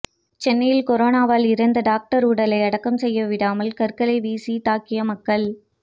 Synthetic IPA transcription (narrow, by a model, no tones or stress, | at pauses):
t͡ʃɛnːɐjɪlkɔɾoːnaːʋaːlɪɾɐnd̪ɐɖaːk̚ʈɐɾuːɽɐlɐɪɐɽɐkːɐmsɛjːɐʋɪɽaːmɐlkɐɾkɐlɐɪʋiːsit̪aːkːɪjɐmɐkːɐɭ